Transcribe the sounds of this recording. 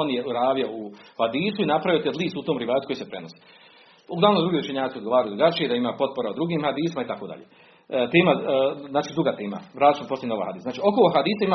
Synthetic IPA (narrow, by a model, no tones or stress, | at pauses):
onjeuɾaːʋiouhad̪iːsuinapɾaʋijot̪ed̪lˠiːsut̪oːmɾiʋaːt̪u̥kojispɾenose̥ | uɡlˠaːnod̪uɡieut͡ʃe̞ɲaːiod̪ɡo̞ʋaːɾajud̪ɾuɡat͡ʃijed̪aimapo̞t̪̚po̞ɾaod̪ɾuɡiːmhad̪iːsimait̪ako̞d̪a̰ʎeː | t̪e̞ːmaznaːt͡ʃiːd̪ɾuɡat̪eːma̰ʋɾaːzit͡ʃoposenoʋa̰jhad̪iːszaːt͡ʃio̞koloɦad̪iːsaima